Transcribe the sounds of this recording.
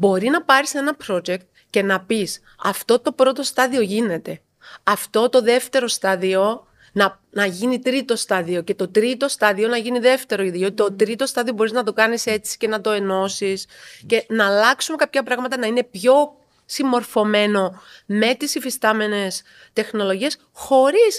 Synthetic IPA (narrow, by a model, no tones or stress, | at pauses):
bo̞ɾinɐpɐɾise̞nɐpɾo̞d͡ʒekt̪ | ce̞nɐpis | ɐft̪o̞t̪o̞pɾo̞t̪o̞st̪ɐðio̞ʝine̞t̪e̞ | ɐft̪o̞t̪o̞ðe̞ft̪e̞ɾo̞st̪ɐðio̞ | nɐ | nɐʝinit̪ɾit̪o̞st̪ɐðio̞ce̞t̪o̞t̪ɾit̪o̞st̪ɐðio̞nɐʝiniðe̞ft̪e̞ɾoʝɐt̪iot̪ot̪ɾit̪o̞st̪ɐðio̞bo̞ɾiznɐt̪o̞kɐnise̞t͡si̥ce̞nɐt̪o̞e̞no̞sisce̞nɐlɐksume̞kɐpçɐpɾɐɣmɐt̪ɐnɐine̞pço̞ | simo̞ɾfo̞me̞no̞me̞t̪isifist̪ɐme̞ne̞s | t̪e̞xno̞lo̞ʝie̞s | xo̞ɾis